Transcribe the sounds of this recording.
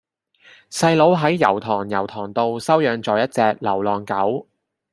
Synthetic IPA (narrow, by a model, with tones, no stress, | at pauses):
sɐ˧jlo˨˥wɦɐ˨˥jːɐ˨˩wt̪ʰɔː˨˩ŋjɐ̰˨˩wt̪ʰɔː˨˩ŋt̪o˧wsɐ˥wjœː˨˧ŋt͡sɔː˨jɐ˥t̚t͡sɛː˧k̚lɐ˨˩wlɔː˨ŋkɐ˨˥w